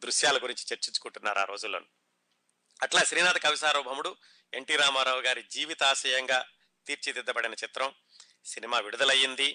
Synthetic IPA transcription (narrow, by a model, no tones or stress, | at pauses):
d̪ɾuʃjaːlɐɡuɾiɲt͡ʃi̥t͡ʃeɾt͡ʃiɲt͡ʃu̥kuɳʈunːa̰ːɾua̰ːɾo̞ːd͡ʒulːo̰ːnu | ɐʈlaːʃɾiːnaːd̪ɐkɐʋisaːɾɔːbʱɐmuɽu | e̞ɳʈiːɾaːmaːɾaːʋuɡaːɾid͡ʒiːʋit̪aːʃɐjɐŋɡaː | t̪iːɾt͡ʃit̪id̪ːɐbɐɽinɐt͡ʃit̪ɾɐm | sinimaːʋiɽud̪ɐlɐjːind̪i